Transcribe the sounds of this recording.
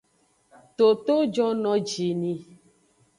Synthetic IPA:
t̪o˨t̪o˦d͡ʒɔ˦nɔ̃˨d͡ʒi˨nĩ˨

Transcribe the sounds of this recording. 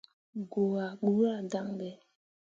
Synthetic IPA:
ɡo˨a˨ɓu˦a˦˨da˦ŋdɛ˨

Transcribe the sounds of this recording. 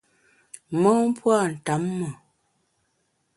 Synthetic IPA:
mɔ˦m˦pwa˦˨n̩˨ta˨˦mːɔ˨

